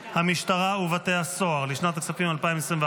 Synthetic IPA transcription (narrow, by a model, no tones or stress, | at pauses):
hamiʃt̪aʁauvat̪e̞aso̞aʁliʃnat̪aksafimalpaimesʁĩmv